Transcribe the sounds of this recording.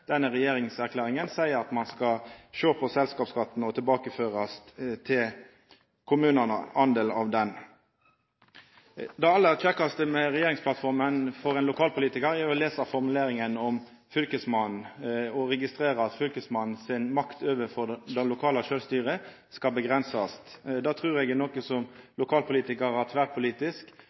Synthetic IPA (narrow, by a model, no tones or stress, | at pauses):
d̪̥ɛnːəʁɛjeːɾɪŋsæʁkʰlæːʁɪŋənsæɪəʁɑt̪mɑnskɑʃøːpʰɔsɛlskɑːpskɑt̪ːn̩ɔt̪ʰɪlbɑːkəføːʁɑst̪ʰɪl | kʰʊmʉːnənə̰ɑnd̪eːlɑʋd̪ɛn | d̪ɑɑlːəʁtʰɛkːɑst̪əmɛʁɛjeːʁɪŋspʰlɑt̪fɔʁmənfɔʁɛnlʊkʰɑːlpʊliːt̪ɪkəɾɛɔleːsəʁfɔʁmʉleːɾɪŋənɔm | fʏlkəsmɑnn̩ɔɾɛɡɪst̪ʁeːʁəɑt̪fʏlkəsmɑnn̩sɪnmɑkt̪ʰøːʋəfɔd̪ɛlʊkʰɑːləʃøːlst̪yːʁə | skɑlbəɡʁɛnsɑst̪d̪ɑːt̪ʰʁʉːɾɛɡnoːkəsɔmlʊkʰɑːlpʰʊliːt̪ɪkəɾɑt̪ʰʋæːʁpʰʊliːt̪ɪsk